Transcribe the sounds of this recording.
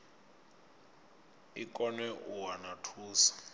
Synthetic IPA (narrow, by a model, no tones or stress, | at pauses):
ikʼɔnɛʔuwanatʰuːsḁ